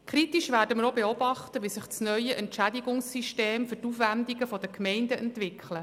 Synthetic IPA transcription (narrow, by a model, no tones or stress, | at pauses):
kʰɾit̪iʃʋæːɾdəməɾobeɔb̥ɑχt̪əʋisɪχt͡snœʏəʔɛntʃædiɡʊŋsːiʃteːmfɵtufʋændiɡəfɔd̪əkʰmɛɪndəɛntʋɪkʰlə